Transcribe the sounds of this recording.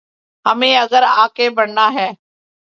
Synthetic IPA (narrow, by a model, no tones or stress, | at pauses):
ɦəmẽːəɡəɾaːkeːbəɳnaːɦɛː